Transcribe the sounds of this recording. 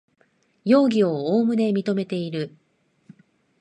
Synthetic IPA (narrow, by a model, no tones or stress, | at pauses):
jo̞ːɡʲio̞oːmɯ̟ne̞mʲit̪o̞me̞t̪e̞iɾɯ̟